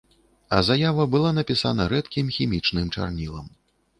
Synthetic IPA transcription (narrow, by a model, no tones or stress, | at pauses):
ɐ̰zajavɐbɨlˠanɐpʲisa̰n̪ɐɾɛt̪kʲimxʲimʲit͡ʂnɨmt͡ʂa̰rnʲilˠɐ̰m